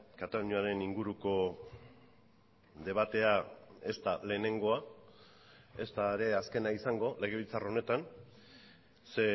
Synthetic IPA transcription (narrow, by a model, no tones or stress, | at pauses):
kat̪aɲuaɾe̞niŋɡuɾuko̞ | ðe̞β̞at̪e̞ae̞st̪ale̞ːne̞ŋɡo̞a | e̞st̪aeɾe̞aske̞naisaŋɡo̞le̞ɣ̞eβ̞ilt͡sarone̞t̪an | se̞